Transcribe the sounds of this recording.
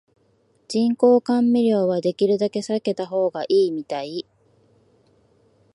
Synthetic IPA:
d͡ʑĩŋko̞ːkãmːiɾʲjo̞ːβad̪e̞kʲiɾɯ̟d̪ake̞sake̞t̪aɦo̞ːɡaʔiːmʲit̪ai

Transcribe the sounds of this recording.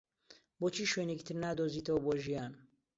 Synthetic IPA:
boːt͡ʃʰiːʃweːneki̥t̪ʰɨɾnaːd̪oːziːt̪ʰɐwɐboːʒijaːn

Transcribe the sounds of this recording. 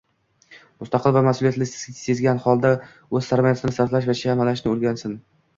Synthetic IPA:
mʊst̪ɑqʰɨlˠvamasʊlijat̪lɪst̪ɪ̥sʲse̞zɡʲanhɒlˠd̪a | ɵz̥saɾmajat̪ʰɪnɪsaɾt̪laʃvat͡ʃʰamalaʃnɪolɡʲansɪn

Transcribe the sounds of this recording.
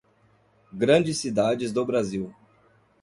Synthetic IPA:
ɡɾɐ̃d͡ʒɪsːid̪ad͡ʒɪzd̪obɾaziw

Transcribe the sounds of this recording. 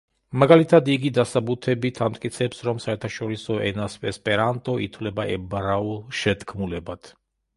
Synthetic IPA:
maɡalit̪ʰad̪iɡid̪asabut̪ʰɛbit̪ʰamt̪ʼkʼit̪sʰɛpsɾɔmsaɛɾt̪ʰaʃɔɾisɔʔɛnasvɛspʼɛɾant̪ʼɔʔit̪ʰwlɛbaʔɛbaɾaulˠʃɛt̪kʰmulɛbat̪ʰ

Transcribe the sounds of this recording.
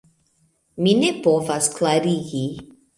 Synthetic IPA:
minepovaskʰlaɾiɡi

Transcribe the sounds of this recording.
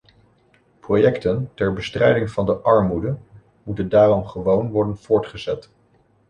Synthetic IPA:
projɛktəntɛɹbəstrɛjdɪŋv̥ɑndəʔɑɹmudə | mutəndaːrɔmχəʋownʋɔɹdənv̥ʊːɹtχəzɛt

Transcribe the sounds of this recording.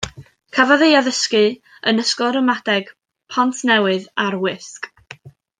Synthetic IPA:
kʰavaðejaðəskɨ | ənəskɔɾəmadɛɡ̥ | pʰantʰnɛwɨðarwɪsk

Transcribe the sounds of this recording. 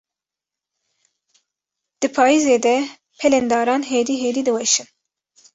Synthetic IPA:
d̪̥ɨpʰɑːizeːd̪ɛ | pʰɛlɛnd̪ɑːɾɑːnɦeːd̪iːɦeːd̪iːd̪ɨwɛʃɨn

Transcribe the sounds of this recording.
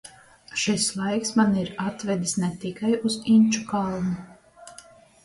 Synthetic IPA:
ʃislˠajksmaniɾat̪vɛd̪isnɛt̪ikajuz̥inʲt͡ʃukalˠmu

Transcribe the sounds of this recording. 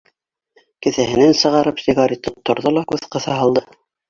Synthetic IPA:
kɘ̆θæɦɘ̆nænsɤ̆ʁɑɾɤpsiɡɑɾʲit̪ːɤt̪ːŏɾðolˠɑkʉðqɤ̆θɑɦɑlˠd̪ɤ

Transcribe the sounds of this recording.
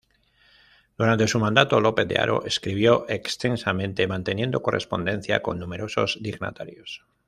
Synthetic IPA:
d̪̥uɾant̪e̞sumãnd̪at̪o̞lo̞ped̪ḛa̰ɾʔo̞̰ʔeskɾiβjo̞ʔe̞kst̪e̞nsamẽ̞nt̪e̞mãnt̪e̞nje̞nd̪o̞ko̞rʔe̞̰spo̞nd̪e̞nθja̰ko̞̰nːume̞ɾo̞so̞zd̪iɣna̰t̪aɾjos

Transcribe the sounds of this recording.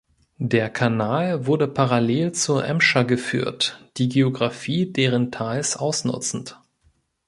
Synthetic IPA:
deːɐkʰanaːlvʊɐdəpʰaʁaleːlt͡suːɐʔɛmʃaɡəfy̰ːɐtd̥iːɡeoɡʁafiːdeːʁ̞əntʰaɪlsʔaʊsnʊ̰t͡sn̩t

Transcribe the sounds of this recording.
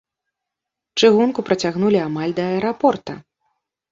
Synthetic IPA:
t͡ʂɨɣunkupɾɐt͡sʲaɣnulʲiamalʲd̪ɐɐɛɾapɔrt̪ɐ̰

